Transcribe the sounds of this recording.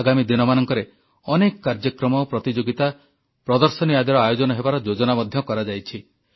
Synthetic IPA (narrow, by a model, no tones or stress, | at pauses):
aɡamid̪inɔmanɔŋkɔɾe | ɔnekɔkaɾd͡ʒɔkɾɔmɔpɾɔt̪id͡ʒoɡit̪a | pɾɔd̪ɔɾsɔnijad̪ɔɾɔajod͡ʒɔnɔɦebaɾɔd͡ʒod͡ʒɔnamɔd̪ʱjɔkɔɾad͡ʒajt͡ʃʰi